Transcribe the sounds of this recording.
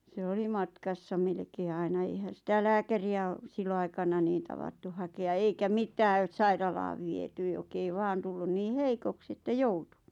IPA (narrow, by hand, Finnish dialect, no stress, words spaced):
se oli mɑtkɑsːɑ melĕkeː ɑinɑ eihæn̞ sitæ læːkæriæ o silːoɑikɑnɑ niːn tɑʋɑtːu hɑkeɑ eikæ mitæː sɑirɑlɑːʋ ʋiety jok ei ʋɑːn tulːun niː heikoks etːæ joutu